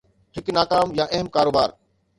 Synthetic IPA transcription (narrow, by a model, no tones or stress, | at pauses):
ɦɪknaːkaːmjaʔɐɦəmkaːɾoːbaːɾ